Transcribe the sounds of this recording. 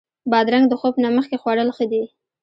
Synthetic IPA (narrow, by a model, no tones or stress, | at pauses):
bɑd̪ɾaŋɡd̪əxobnaməxkexwaɽəlxəd̪i